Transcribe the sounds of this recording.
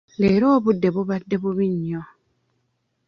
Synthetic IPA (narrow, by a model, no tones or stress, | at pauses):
leːɾoːβudːe̞βuβadːe̞βuβiɲːo